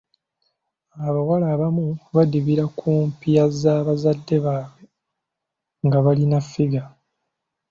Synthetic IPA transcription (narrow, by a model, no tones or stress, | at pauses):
aβawalaβamuβadiβiɾakʰuːmpijazaːβazadːe̞βaːβwe̞ | ŋɡaβalinafːiɡa